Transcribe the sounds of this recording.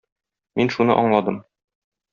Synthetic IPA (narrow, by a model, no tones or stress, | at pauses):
minʃunɤ̰ʔɒɴlˠɑd̪ɤm